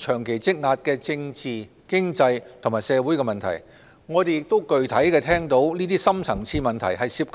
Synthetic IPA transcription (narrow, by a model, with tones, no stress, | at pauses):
t͡ʃʰœː˨˩ŋkʰe˨˩jt͡sɪ˥k̚ŋaː˧t̚kɛː˧t͡sɪ˧ŋt͡siː˨ | kɪ˥ŋt͡sɐ˧jt̪ʰʊ˨˩ŋmaː˨˩jsɛː˨˧wuː˨˥jkɛ˧mɐ˨nt̪ʰɐ̰˨˩j | ŋɔː˨˧t̪e˨jɪ˨k̚t̪o˥wkɵ˨ɥt̪ʰɐ˨˥jkɛː˧t̪ʰɛː˥ŋt̪o˨˥wniː˥t̪iː˥sɐ˥mt͡sʰɐ˨˩ŋt͡sʰiː˧mɐ˨nt̪ʰɐ˨˩jɦɐ˨jsiː˧p̚k